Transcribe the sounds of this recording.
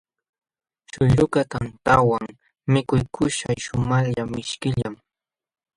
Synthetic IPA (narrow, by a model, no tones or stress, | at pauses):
ʃʊʎʊkat̪ant̪awaŋ | mɪkʊjkʰʊʃajʃʊmaʎamɪʃkɪʎam